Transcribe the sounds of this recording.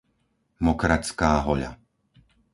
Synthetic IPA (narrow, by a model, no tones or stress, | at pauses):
mɔkɾat͡skaːɦɔʎa̰